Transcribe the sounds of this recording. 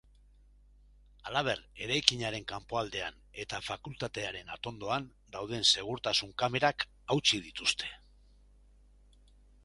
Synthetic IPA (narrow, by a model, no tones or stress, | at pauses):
alaβ̞e̞ɾe̞ɾajkiɲaɾe̞ŋkampo̞ald̪e̞a̰n | e̞t̪afakult̪at̪e̞aɾe̞na̰t̪o̞nd̪o̞an | d̪awð̞e̞nse̞ɣ̞uɾt̪asuŋkame̞ɾak | awt͡sið̞it̪ust̪ʰe̞̥